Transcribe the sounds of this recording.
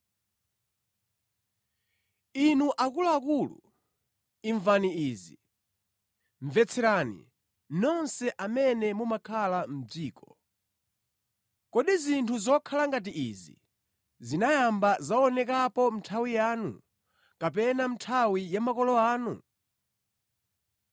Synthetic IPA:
inuʔakulaːkulṵ | iɱvaniiːzi | ɱvɛt͡sʰɛɾanḭ | nɔnsɛʔamɛnɛmumakʰalam̩d͡ziːkʰɔ | kɔɗizintʰuzɔkʰalaŋɡat̬iʔizḭ | zinajambazaɔnɛkapɔm̩tʰawijaːnṵ | kap̬ɛnam̩tʰawijamakɔlɔaːnu

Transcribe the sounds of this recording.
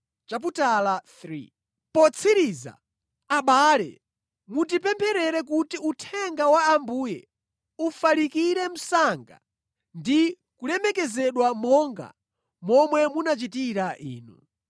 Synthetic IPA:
t͡ʃap̬utalaθɾḭ | pɔt͡sʰiɾiza̰ | aɓaːlɛ̰ | mutipɛmpʰɛɾɛɾɛk̬utiutʰɛŋɡawaːmbuːjɛ̰ | ufalikiɾɛm̩saŋɡa̰ | ndi | kulɛmɛkɛzɛɗwamɔŋɡa̰ | mɔmwɛmunat͡ʃitiɾaʔḭːnṵ

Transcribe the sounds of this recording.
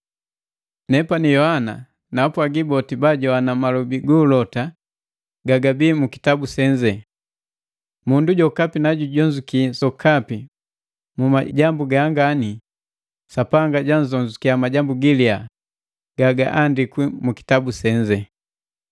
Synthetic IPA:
nɛpanijɔhana | napuaɡibɔtibaɟɔanamalɔbiɡulɔta | ɡaɡabiːmuki̥tabusɛɲd͡ʒɛ | munduɟɔkapinaɟuɟɔɲd͡ʒukisɔkʰapi | muma̰ɟambuɡaŋɡani | sapaŋɡaɟanzɔɲd͡ʒukiamaɟambuɡilia | ɡ̥aɡa̰ʔandikwimuki̥tabusɛɲd͡ʒɛ

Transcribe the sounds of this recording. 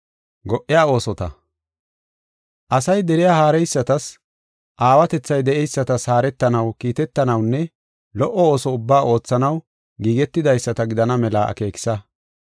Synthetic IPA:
ɡɔʔːɪjaːo̞ːsɔt̪ɐ | ʔɐsɐjd̪ɛɾɪjaːhaːɾɛjsːɐt̪ɐs | ʔaːwɐt̪ɛt͡sːɐjd̪ɛʔɛjsːɐt̪ɐshaːɾɛt̪ːɐnɐwkiːt̪ɛt̪ːɐnɐwnːɛ | lɔʔɔoːsɔʊbːaːʔo̞ːt͡sːɐnɐw | ɡiːɡɛt̪ːɪd̪ɐjsːɐt̪ɐɡɪd̪ɐnɐmɛlaːɐ̰ke̞ːkɪ̥sɐ

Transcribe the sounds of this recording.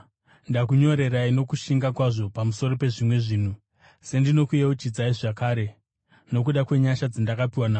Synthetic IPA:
ndakuɲo̞ɾe̞ɾaino̞kuʃiŋɡakwaʐo̞pamuso̞ɾo̞pe̞ʐimwe̞ʐiːn̤u | se̞ndino̞kujeut͡ʃid͡zaiʐakaːɾe̞ | no̞k̬uɗakwe̞ɲaʃad͡zindakapiwanaː

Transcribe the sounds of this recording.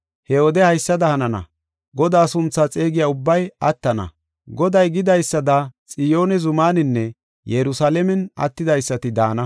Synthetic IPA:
hɛoːd̪ɛhɐjsːɐd̪ɐhɐnɐnɐ̰ | ɡɔd̪aːsʊnt͡sːaːt͡sʼe̞ːɡɪjaːʊbːɐjɐt̪ːɐnɐ̰ | ɡɔd̪ɐjɡɪd̪ɐjsːɐd̪ɐt͡sʼɪjo̞ːnɛzʊmaːnɪnːɛ | jɛɾʊsaːlɛmɛnɐ̰t̪ːɪd̪ɐjsːɐt̪ɪd̪aːnɐ

